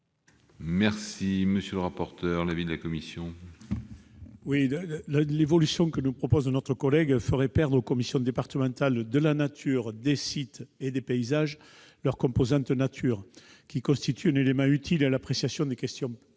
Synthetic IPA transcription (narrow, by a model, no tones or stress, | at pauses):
mɛʁsiməsjøləʁapɔʁt̪œʁlavid̪əlakɔmisjɔ̃ | willevɔlysjɔ̃kənupχɔpɔznɔt̪χəkɔlɛɡfəʁɛpɛʁd̪ʁokɔmisjɔ̃d̪epaʁt̪əmɑ̃nt̪ald̪əlanat̪ʰyʁd̪esit̪ed̪epeizaʒ | lœʁkɔ̃mpozɑ̃t̪nat̪ʰyʁ | kʲikɔ̃st̪it̪ʰyɛ̃nelemɑ̃yt̪ʰilalapχesjasjɔ̃d̪ekɛst̪jɔ̃